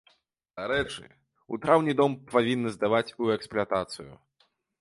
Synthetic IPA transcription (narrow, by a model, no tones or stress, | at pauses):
d̪̥aɾɛt͡ʂɨ̰ | ṵt̪ɾawnʲid̪ɔmpavʲinːɨzd̪avat͡sʲuɛksplʲat̪at̪sɨjṵ